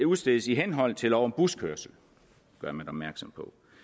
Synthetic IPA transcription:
uðˠsd̥eðˠsiɦenɦɒ̽l̰t͡sʰe̝lɒʊɐnb̥uskʰøɐsl̩ | ɡ̥ɶɐmænɒ̽b̥mæɐɡ̥sɒ̽mpʰɒ̽

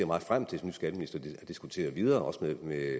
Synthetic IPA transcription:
ɐ̰mɑ̈ːð̩ˠfʁam̰t͡sʰe̝smnysɡ̥æd̥əminisd̥ɐ̥d̥isɡ̥ut͡sʰe̝̰ːɐð̩ˠʋið̞ˠɐːʔɒ̽səmeme

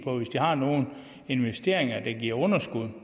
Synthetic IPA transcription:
pʰɒ̽ʋe̝sd̥ihɑ̈no̝ːn̩ | e̝nʋesd̥e̝ɐ̰eŋɐd̥ɑ̈ɡ̥iɐ̰ɔ̽nɐsɡ̥uð̞̰ˠ

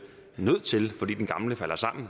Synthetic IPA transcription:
nøð̰ˠt͡sʰe̝lfɒ̽d̥ḭːdenɡ̥ɑ̈mləfæl̰ɐsɑ̈m̰n̩

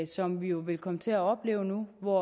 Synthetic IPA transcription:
sɒ̽mʋijo̝ʋe̝lkʰɒ̽mət͡sʰe̝æɒ̽b̥le̝̰ːʊnuʋɒ

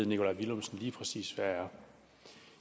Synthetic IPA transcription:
ð̩ˠnikʰo̝lɑ̈ɪʋilomsn̩liːpʰʁɛsḭːsʋææɐ

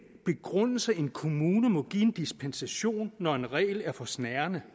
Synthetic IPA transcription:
b̥e̝ɡ̥ʁɔn̰l̩sɐe̝nkʰo̝muːnəmɔ̽ɡ̥ḭe̝nd̥isb̥ʰensæɕo̝̰ːnːɒe̝nʁɛ̰ːɪlæɐfɒ̽snæɐnə

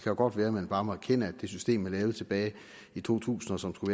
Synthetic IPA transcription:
kʰæjoɡ̥ɒ̽d̥ʋæːɐmenb̥ɑ̈ːmeækʰen̰əæd̥e̝sysd̥e̝̰ːmæɐlɛːʊð̩ˠt͡sʰe̝b̥ɛːɪ | it͡sʰo̝̰ːt͡sʰṵːsn̩ɒ̽sɒ̽msɡ̥uʋæː

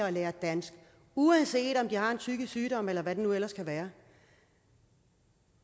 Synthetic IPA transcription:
ɐɒleːɐd̥æn̰sɡ̥ | uænse̝̰ːd̥ɒ̽md̥ihɑ̈e̝nt͡sʰyɡ̥əsyːɾ̥ɒ̽m̰elɐʋæd̥e̝nuel̰ɐskʰæʋæːɐ

